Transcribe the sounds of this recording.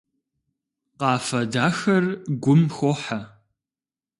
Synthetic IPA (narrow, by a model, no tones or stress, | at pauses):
qɑːfɐdaːxɐrɡʷʊmxoːħa